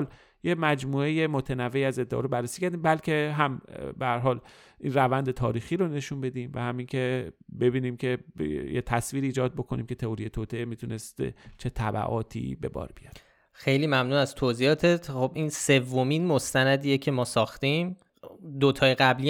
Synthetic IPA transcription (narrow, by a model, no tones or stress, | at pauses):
l | jemæd͡ʒmuːejemot̪ʰenævːe̞iæze̞d̪ːeʔɒ̰ɾobærːesiːcʰæɾd̪iːmbælcʰe̞ɦæmbehæɾɦɒːl | ʔiːnrævænd̪e̞t̪ʰɒːɾiːxiːɾone̞ʃunbe̞d̪iːmvæ̰hæmiːŋcʰe̞be̞biːniːmcʰe̞jet̪ʰæsviːɾiːd͡ʒɒːd̪̚bo̞kʰo̞niːmcʰe̞t̪ʰeoɾijet̪ʰoːt̪ʰeemit̪ʰune̞st̪t͡ʃʰe̞t̪ʰæbæ̰ʔɒːt̪ʰḭbe̞̰bɒ̰ːɾbijɒ̰ɾ̥ | xejliːmæmnuːnæzt̪ʰoziːɒːt̪ʰet̪χobʔiːnse̞vːominmo̞st̪ænæd̪iːjecʰe̞mɒːsɒːxt̪im | d̪ot̪ʰɒːjeɣæbli